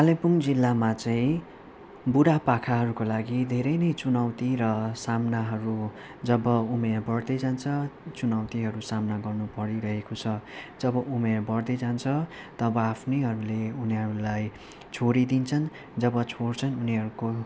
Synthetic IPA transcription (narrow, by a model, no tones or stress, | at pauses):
alepuŋd͡zilːamat͡sʌĩ | buɽapakʰaɦʌɾukolaɡid̪ʱeɾʌjnʌjt͡sunʌwt̪iɾʌsamnaɦʌɾu | d͡zʌbʌumerbʌrd̪ʌjd͡zant͡sʰʌt͡sunʌwt̪iɦʌɾusamnaɡʌrnupʌɾiɾʌɦekot͡sʰʌd͡zʌbʌʔumerbʌrd̪ʌjd͡zant͡sʰʌt̪ʌbʌapʰnʌjɦʌɾuleuniɦʌɾulaj | t͡sʰoɾid̪int͡sʰʌn | d͡zʌbʌt͡sʰort͡sʰʌnuniɦʌɾuko